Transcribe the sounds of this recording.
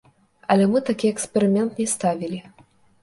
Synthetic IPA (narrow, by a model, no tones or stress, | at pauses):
ɐlʲɛmɨt̪akʲiɛkspʲɛɾɨmʲɛnt̪nʲɛst̪avʲilʲi